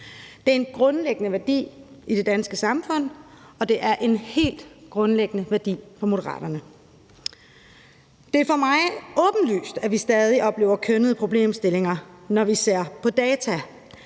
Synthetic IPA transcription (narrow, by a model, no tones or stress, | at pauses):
d̥e̝æɐe̝nɡ̥ʁɔ̽nleɡ̥ənəʋæɐd̥ḭːʔid̥e̝d̥ænsɡ̥əsɑ̈mfɔ̽n̰ | ɒ̽d̥e̝ʔæɐʔe̝nhe̝̰ːld̥ɡ̥ʁɔ̽nleɡ̥ənəʋæɐd̥ḭːfɒ̽mo̝ɾɐʁɑ̰̈ːd̥ɐnə | d̥e̝æɐfɒ̽mɑ̈ɪɔ̽ːb̥n̩ly̰ːsd̥æʋisd̥ɛːð̞ˠiʔɒ̽b̥le̝ːʊɐkʰønəð̞̩ˠəpʰʁo̝b̥le̝̰ːmsd̥e̝le̝ŋɐnɒʋise̝ɐ̰pʰɒ̽d̥ɛːt͡sʰæ